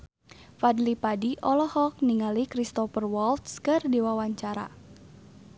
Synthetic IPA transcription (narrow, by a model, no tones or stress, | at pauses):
fadlipadiʔɔlɔhɔk̚niŋalikɾist̪ɔfərwɔlt̪skɨrdiwawaɲt͡ʃaɾa̰